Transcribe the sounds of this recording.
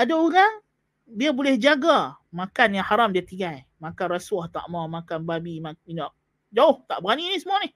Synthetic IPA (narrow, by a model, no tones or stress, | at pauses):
adaoɾaŋ | diabolɛhd͡ʒaɡa | makanjaŋhaɾamdiat̪iŋɡaj | mãkanraswaht̪a̰ʔmawmakanbabimainaʔ̚ | d͡ʒaʊht̪aʔbəɾaninisəmuanɪh